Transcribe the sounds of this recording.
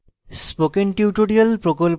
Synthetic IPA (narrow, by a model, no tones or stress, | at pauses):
spokenʈiuʈoɽialpɾokolp